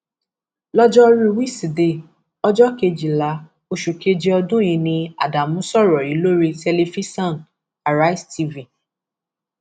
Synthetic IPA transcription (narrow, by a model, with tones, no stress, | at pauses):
lɔ˦d͡ʒɔ˦ɾi˦˧wi˦˨si˨de˧˨ | ɔ˦d͡ʒɔ˦ke˧d͡ʒi˨la˨˦ | o˧ʃu˨ke˧d͡ʒi˧ɔ˧dũ˦jĩ˧nĩ˧a̰˨da˨mũ˦sɔ˦˨ɾɔ˨i˨˦lo˦ɾi˧te˧le˧fi˦sɔ̃˦˨n | a˨ɾa˦i˦sti˧vĩ˨